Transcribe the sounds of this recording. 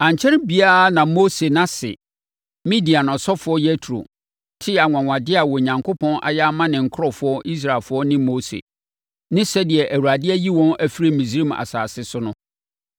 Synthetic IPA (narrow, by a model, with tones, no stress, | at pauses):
ã˨ɲ˨t͡ɕʰɛ˦ɾɪ˦bi˨a˦nã˨mo˦se˨nã˦sɪ̰˨ | mĩ˦di˨a˨nɔ̃˨sɔ˦fʊ˨˦ɔ˦jɛ˦tʰu˨ɾo̰˨ | tʰɪ˦a˨ŋʷã˨ŋʷã˨dɪ˦a˨wɔ˨ɲã˨ŋkʰo˦pʰɔ̃˦nʔa̰˨ja˦a˦mã˦nɪ̃˨ŋ̩˨kʰɾɔ˦fʊ˦ɔ˦ʔi˦s̬ɾa˨lfʊ˦ɔ˦nɪ̃˦moː˦sḛ˨ | nɪ̃˦sɛ˦dɪ˨ɛ˨ʔæ˨wu˨ɾa˨dɪ˦ɛ˦ji˦wɔ̃˦næ˦fi˦ɾi˦mĩ˨s̬ɾi˦ma̰˨sa̰ː˨sɪ˦sʊ˦nʊ̃˦